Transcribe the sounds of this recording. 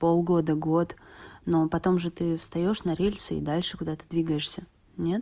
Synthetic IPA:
po̞lˠɡo̞d̪əɡo̞t̪no̞pɐt̪o̞mʐɨt̪ɨfst̪ɐjo̞ʂnɐɾʲelʲsɨḭd̪alʲʂɨkʊd̪at̪ə̥d̪vʲiɡəjɪʂsʲə | nʲet̪̚

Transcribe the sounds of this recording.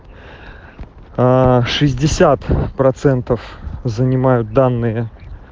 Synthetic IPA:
aʂɨzʲdʲɪsʲat̪pɾɐt̪sɛnt̪əfzənʲɪmajʊt̪̚d̪anːɨjə

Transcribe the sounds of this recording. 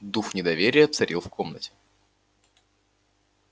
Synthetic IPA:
d̪uxnʲɪd̪ɐvʲeɾʲɪjət̪sɐɾʲilˠfkʰo̞mnə̰tʲɪ̥

